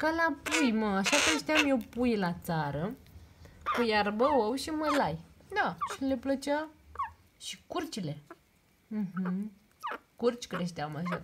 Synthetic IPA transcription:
kalapujməaʃakɾeʃt̪eamjewpujlat͡saɾə | kujaɾbəwowʃiməlajd̪aʃileplət͡ʃa | ʃikuɾt͡ʃile | ɦ̩ | kuɾt͡ʃkɾeʃt̪eamaʃa

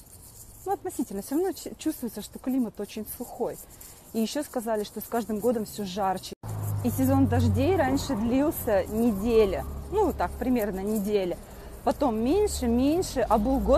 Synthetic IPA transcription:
nuɐt̪nɐsʲitʲɪlʲnəfsʲoɾɐvnojt͡ɕust̪vʊjɪt̪səʂt̪o̞klʲimət̪o̞t͡ɕɪnʲslˠʊxo̞j | ijɪɕːo̞skɐzalʲɪʂt̪o̞skaʐd̪ɨmɡo̞d̪əmfsʲoʐart͡ɕɪ̥isʲɪzo̞nd̪ɐʐdʲejɾanʲʂɨd̪lʲilˠsʲənʲɪdʲelʲənut̪ak̚pɾʲɪmʲe̞rnənʲɪdʲelʲə | pɐt̪o̞mːʲenʲʂɨmʲenʲʂɨʔɐbɨlˠɡo

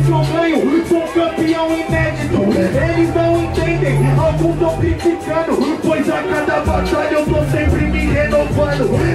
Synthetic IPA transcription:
zovẽjʊkõɾ̃kɐ̃piɐ̃w̃inɛd̪it̪ʊelɪznɐ̃w̃ẽnt̪ẽnd̪ẽj̃awɡũt̪opɾĩplikɐ̃nʊpojzakad̪ɐpat̪aʎɐewt̪osẽmpɾɪmihenovɐ̃nʊ

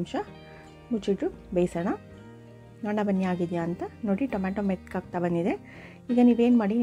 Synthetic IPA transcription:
mʃɐ | mut͡ʃiʈɾubejsɐɳɐ | ɡɐɳɐbɐnːiaːɡid̪ijaːnt̪ɐnoːɽiʈɐmaːʈomet̪kaːɡ̚t̪abɐnd̪id̪e̞ | iːɡɐniːʋeːnmaːɽi

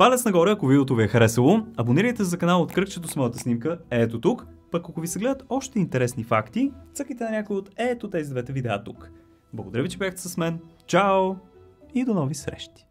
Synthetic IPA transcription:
palɛt̪snɐɡɔɾəɐkoviot̪oviɛxəɾɛsəlˠoɐboniɾəjt̪ɛzɐkɐnalˠot̪kɾɤkt͡ʃɛt̪osmɔjət̪əsnimkəɛt̪ot̪ukpɐkːokovisɛɡlɛd̪ət̪ɔʃt̪ɛint̪ɛɾɛsnifakt̪it̪sɤkəjt̪ɛnɐnʲakojot̪ɛt̪ot̪ɛzid̪vɛt̪ɛvid̪ɛa̰t̪uk | blˠɡod̪ɐɾəvit͡ʃɛbijaxt̪ɛ̥sɐsmɛnt͡ʃaoid̪onɔvisɾɛ̰ʃt̪i̥

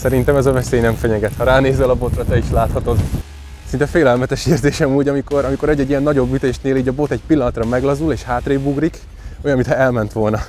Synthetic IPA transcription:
sɛɾint̪ɛmɛzɒvɛseːjnɛɱfɛɲɛɡɛt̪hɒɾaːneːzɛlɒbo̞t̪rɒt̪ɛiʃlaːt̪hɒt̪o̞d̪ | sint̪ɛfeːlɛlmɛt̪ɛʃeːrzeːʃɛmuːɟɒmiko̞ɾɒmiko̞ɾɛɟːɛɟːijɛnːɒɟo̞bːyt̪eːʃneːliːɟɒbo̞t̪ɛcpilːɒnɒt̪rɒmɛɡlɒzuleːʃhaːt̪reːbuɡrik | o̞jɒnmit̪hɛɛlmɛnt̪ʋo̞lnɒ

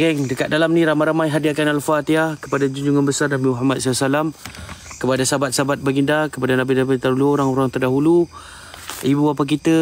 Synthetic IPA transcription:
ɡɛŋdəkat̪̚dalamnĩɾamãɾamajɦadiakanalfat̪iakə̥padad͡ʒuɲd͡ʒuŋanbəsarnabimuɦamat̪̚salasalamkəpadasabat̪̚sabat̪̚baɡindakəpadanabinabit̪aɾuluoɾaŋoɾaŋt̪ərdaɦulu | ibuapak̬it̪ə

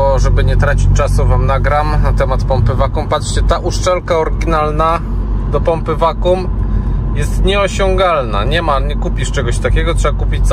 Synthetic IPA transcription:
ɔʐɛbɘɲɛt̪ɾat͡ɕit͡ɕt͡ʂasuvamnaɡɾamnat̪ɛmat̪pɔmpɘvakumpat̪ʂt͡ɕɛt̪aʔuʂt͡ʂɛlkaɔɾɡʲinalna | d̪ɔpɔmpɘvakumjɛst̪ɲɛɔɕɔ̃ŋɡalna̰ɲɛmaɲɛkupʲiʂt͡ʂɛɡɔɕt̪akʲɛɡɔtʂɛbakupʲit͡ɕs

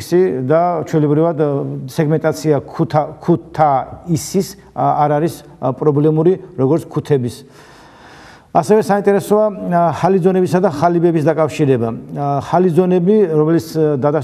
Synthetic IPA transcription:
sid̪at͡ʃʰwɛlɛbɾivad̪sɛɡmɛnt̪ʼat̪sʰiakʰutʰakʰut̪ʰːaisis | aɾaɾis | pʼɾɔblɛmuɾiɾɔɡɔɾt̪sʰkʰut̪ʰɛbis | asɛvɛsaint̪ʼɛɾɛsɔaχalid̪zɔnɛbisad̪aχalibɛbisd̪akʼafʃiɾɛbaχalid̪zɔnɛbiɾɔmɛlit̪sd̪ad̪a

